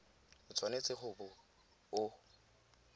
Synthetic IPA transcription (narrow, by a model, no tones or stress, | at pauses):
ʊt͡sʰʼwanet͡sʼɪχʊbʊ | ʊ